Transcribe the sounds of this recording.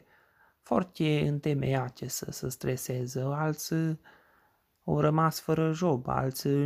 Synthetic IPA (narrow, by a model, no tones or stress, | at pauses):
fo̰rt̪ʲeɨnt̪emḛjat͡ʃesə̰səst̪ɾesezəalt̪sʲ | awrəmasfəɾəʒoba̰lt̪sʲ